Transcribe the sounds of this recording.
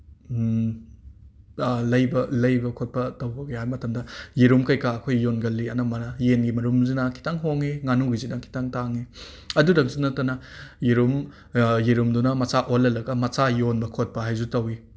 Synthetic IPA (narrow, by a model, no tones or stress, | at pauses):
lɐjbɐlɐjbɐkʰot̚pɐtɐwbɐɡehajmɐtɐmdɐjiɾumkɐjkaɐkʰojːonɡɐlːiɐnɐmɐɾɐjenɡimɐɾumzinɐkʰi̥taŋɦoŋiŋanuɡizinɐkʰi̥taŋtaŋi | ɐdudɐk̚sunɐtːɐnɐjiɾum | jiɾumdunɐmɐsaʔolːɐlɐɡɐmɐsajonbɐkʰot̚pɐɦajzutɐwi